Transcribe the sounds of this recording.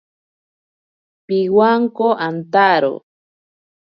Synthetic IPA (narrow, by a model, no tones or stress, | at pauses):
piwaŋkoʔant̪aɾo̰